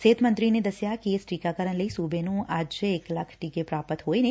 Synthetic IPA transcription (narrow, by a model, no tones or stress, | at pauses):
set̪mənt̪ɾined̪əsjakesʈikakəɾəɳləisubenũad͡ʒeːklakʰʈikepɾapət̪ɦojne